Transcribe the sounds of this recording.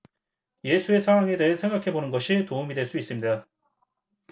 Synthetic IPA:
je̞sʰue̞sʰawaŋe̞de̞ɦesʰe̞ŋɡakʰe̞bonɯnɡʌɕʰitoumidwe̞ɭs͈uis͈ɯmɲida

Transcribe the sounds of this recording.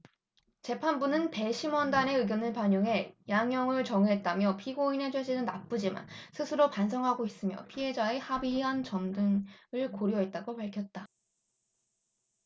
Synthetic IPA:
t͡ɕe̞pʰanbunɯnpe̞ɕʰimwʌndane̞ɯɡjʌnɯɭpaɲʌŋɦe̞jaŋjʌŋɯɭt͡ɕʌŋɯɦe̞t̚t͈amjʌpʰiɡoinɦe̞d͡ʑeɕʰinɯnnap͈ud͡ʑima̰nsʰɯsʰɯɾopans̬ʰʌŋɦaɡois͈ɯmjʌ̰pʰiɦe̞d͡ʑae̞habiɦant͡ɕʌmdɯŋɯɭkoɾjoɦe̞t̚t͈aɡopaɭkʰjʌt̚t͈a

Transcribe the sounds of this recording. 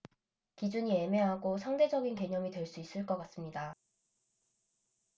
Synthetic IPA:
kid͡ʑuɲie̞me̞ɦaɡosʰaŋde̞d͡ʑʌɡinke̞ɲʌmitwe̞ɭs͈uis͈ɯɭk͈ʌk͈as͈ɯmɲida

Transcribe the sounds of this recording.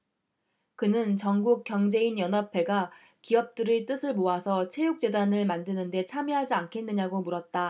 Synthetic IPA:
kɯnɯnt͡ɕʌŋɡuk̚k͈jʌŋd͡ʑe̞injʌnɦapʰe̞ɡa | kiʌp̚t͈ɯɾit͈ɯsʰɯɭmoasʰʌt͡ɕʰe̞juk̚t͡ɕ͈e̞danɯɭmandɯnɯnde̞t͡ɕʰamiɦad͡ʑiankʰe̞nːɯɲaɡomuɾʌt̚t͈a

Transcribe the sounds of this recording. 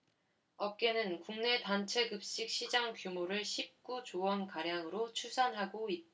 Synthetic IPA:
ʌp̚k͈e̞nɯnkuŋne̞tant͡ɕʰe̞ɡɯp̚ɕ͈ik̚ɕʰid͡ʑaŋkjumoɾɯɭɕʰip̚k͈ut͡ɕowʌnkaɾjaŋɯɾot͡ɕʰusʰanɦaɡoit̚t͈a

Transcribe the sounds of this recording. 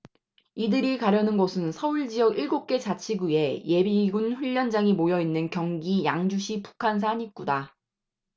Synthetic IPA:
idɯɾikaɾjʌnɯnɡʌsʰɯnsʰʌuɭd͡ʑijʌɡiɭɡop̚k͈e̞t͡ɕat͡ɕʰiɡue̞je̞biɡunɸuʎːʌnd͡ʑaŋimojʌinːɯnkjʌŋɡijaŋd͡ʑuɕʰipu̥kʰans̬ʰaɲik͈uda

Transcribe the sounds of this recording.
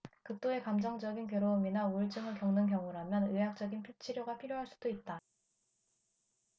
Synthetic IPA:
kɯk̚t͈oe̞kamd͡ʑʌŋd͡ʑʌɡink̬jʌɾoːminauɭt͡ɕ͈ɯŋɯɭkjʌŋnɯnkjʌŋuɾamjʌnɯjak̚t͡ɕ͈ʌɡinpʰit͡ɕʰiɾjoɡapʰiɾjoɦaɭs͈u̥d̥oit̚t͈a

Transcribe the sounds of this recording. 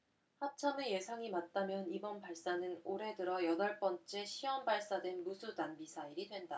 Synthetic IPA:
hat͡ɕʰameje̞sʰaŋimat̚t͈amjʌnibʌnpaɭs͈anɯnoɾe̞dɯɾʌjʌdʌɭp͈ʌnt͡ɕ͈e̞ɕʰiwʌmbaɭs͈adwe̞nmusʰudanmisʰaiɾidwe̞nda

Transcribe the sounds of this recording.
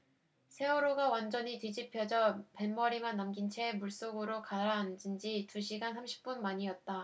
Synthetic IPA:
sʰe̞oɾoɡawand͡ʑʌɲited͡ʑipʰjʌd͡ʑʌpe̞nmʌɾimanːamɡint͡ɕʰemuɭs͈oɡɯɾokaɾaːnd͡ʑind͡ʑituɕʰiɡansʰamɕʰi̥p̚p͈unmaɲiʌt̚t͈a

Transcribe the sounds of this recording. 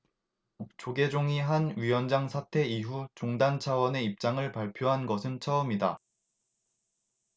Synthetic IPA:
t͡ɕoɡed͡ʑoŋiɦanɥiwʌnd͡ʑaŋsʰatʰe̞iɦut͡ɕoŋdant͡ɕʰawʌne̞ip̚t͡ɕ͈aŋɯɭpaɭpʰjoɦanɡʌsʰɯnt͡ɕʰʌɯmida

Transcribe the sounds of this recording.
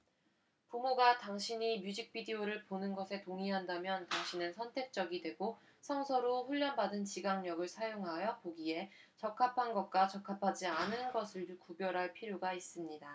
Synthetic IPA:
pumoɡataŋɕʰiɲimjud͡ʑik̚p͈idioɾɯɭponɯnɡʌsʰe̞toŋiɦandamjʌntaŋɕʰinɯnsʰʌntʰe̞k̚t͡ɕ͈ʌɡidwe̞ɡo | sʰʌŋsʰʌɾoɸuɭʎːʌnbadɯnt͡ɕiɡaŋɲʌɡɯɭsʰajoŋɦajʌpoɡie̞t͡ɕʌkʰapʰanɡʌk̚k͈wat͡ɕʌkʰapʰad͡ʑianɯnɡʌsʰɯɭdukubjʌɾɦaɭpʰiɾjoɡais͈ɯmɲida

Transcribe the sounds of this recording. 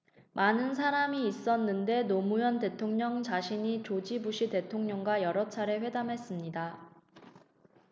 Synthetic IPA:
manɯnsʰaɾamiːs͈ʌnːɯnde̞nomujʌnte̞tʰoŋɲʌŋt͡ɕaɕʰiɲit͡ɕod͡ʑibuɕʰite̞tʰoŋɲʌŋɡwajʌɾʌt͡ɕʰaɾe̞ɸwe̞damɦe̞s͈ɯmɲida

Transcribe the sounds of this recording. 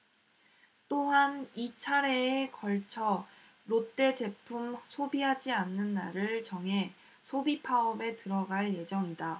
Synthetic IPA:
t͈oɦanit͡ɕʰaɾe̞ːkʌɭt͡ɕʰʌ | ɾot͈e̞t͡ɕe̞pʰumsʰobiɦad͡ʑianːɯnːaɾɯɭt͡ɕʌŋɦe̞ | sʰobipʰaʌbe̞tɯɾʌɡaɭje̞d͡ʑʌŋida

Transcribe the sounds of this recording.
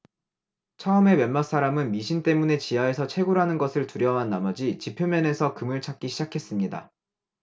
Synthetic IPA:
t͡ɕʰʌɯme̞mjʌnmaks͈aɾamɯnmiɕʰint͈e̞mune̞t͡ɕiae̞sʰʌt͡ɕʰe̞ɡuɾɦanɯnɡʌsʰɯɭtuɾjʌɦanːamʌd͡ʑit͡ɕipʰjomjʌne̞sʰʌkɯmɯɭt͡ɕʰak̚k͈iɕʰid͡ʑakʰe̞s͈ɯmɲida̰

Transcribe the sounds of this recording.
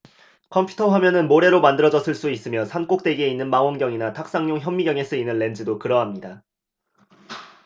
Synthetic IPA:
kʰʌmpʰutʰʌɦamjʌnɯnmoɾe̞ɾomandɯɾʌd͡ʑʌs͈ɯɭs͈uis͈ɯmjʌsʰank͈ok̚t͈we̞ɡieinːɯnmaŋonɡjʌŋinatʰak̚s͈aŋɲoŋçjʌmːiɡjʌŋesʰɯinːɯnːe̞nd͡ʑɯdokɯɾʌɦamɲida

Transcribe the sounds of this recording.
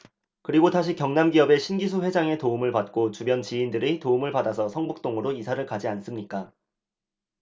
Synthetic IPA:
kɯɾiɡotaɕ̬ʰikjʌŋnamɡiʌbe̞ɕʰinɡis̬ʰuɸwe̞d͡ʑaŋe̞toumɯɭpat̚k͈ot͡ɕubjʌnt͡ɕiːndɯɾitoumɯɭpadasʰʌsʰʌŋbɯk̚t͈oŋɯɾoisʰaɾɯɭkad͡ʑians͈ɯmɲik͈a

